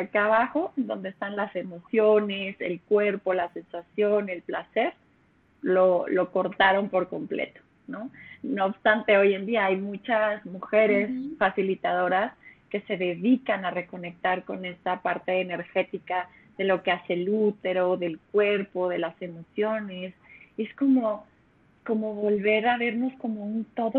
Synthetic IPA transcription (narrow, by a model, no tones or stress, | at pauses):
akaβaxo̞end̪o̞nd̪e̞ːst̪anlase̞mo̞sjo̞ne̞se̞̰lkwe̞ɾpo̞lase̞nsasjo̞ne̞lplase̞ɾ | lo̞lo̞ko̞ɾt̪aɾo̞mpo̞ɾko̞mplḛt̪o̥ | no̞noːβbst̪ant̪eo̞je̞nd̪iaajmut͡ʃazmuxe̞ɾe̞sfasilit̪að̞o̞ɾaske̞se̞ðe̞ðikanare̞ko̞ne̞k̚t̪aɾko̞ne̞st̪apaɾt̪e̞ːne̞ɾxe̞t̪ika | ðe̞lo̞ke̞aselut̪e̞ɾo̞ðe̞lkwe̞ɾpo̞ðe̞lase̞mo̞sjo̞ne̞se̞sko̞mo̞ | ko̞mo̞βo̞lβe̞ɾaβ̞e̞ɾnosko̞mo̞unt̪o̞ðo